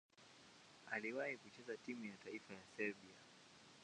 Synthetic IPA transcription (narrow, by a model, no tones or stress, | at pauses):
aliwahikut͡ʃɛzatimujataifajasɛɾbia